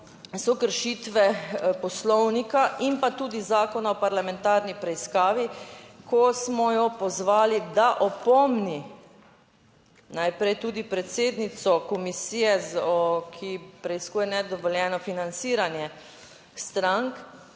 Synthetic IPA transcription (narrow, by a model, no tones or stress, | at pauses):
sɔkəɾʃiːt̪ʋɛpɔslɔwnikaʔimpat̪uːd̪izaːkɔnaɔpaɾlamɛ̃nt̪aːɾnipɾɛiskaːʋikʰɔsmɔjɔpɔzʋaːlid̪aʔɔpɔmni | najpɾɛjt̪uːd̪ipɾɛt̪seːd̪nit̪sɔkɔmisiːjɛzɔkʰipɾɛiskuːjɛnɛd̪ɔʋɔljɛːnɔfinant̪siːɾanjɛ | st̪ɾaŋk